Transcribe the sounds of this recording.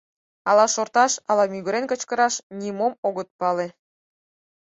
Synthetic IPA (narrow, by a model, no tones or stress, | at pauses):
ɑlɑʃort̪ɑʃɑlɑmyɣə̆ɾenkə̆t͡ɕkəɾɑʃnʲimomoɣət̪̚pɑle